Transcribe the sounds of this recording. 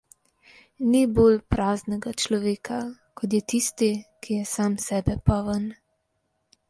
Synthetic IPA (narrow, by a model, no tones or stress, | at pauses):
niboːlpɾaːznɛɡat͡ʃlɔʋeːkʰa | kɔt̪̬jɛt̪ist̪ikʰijɛsaːmsɛːbɛpɔʋən